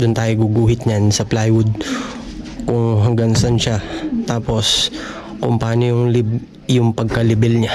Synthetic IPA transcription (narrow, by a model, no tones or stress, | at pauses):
d̪ʊnt̪aːjoɡuɡuːhɪt̪̚ɲansɐplajwʊd̪̚ | kʊŋɦɐŋɡɐŋsɐnʃat̪aːpo̞s | kʊŋpɐaːnojʊŋlɪb | jʊŋpɐɡ̚kɐlɪbɛlɲa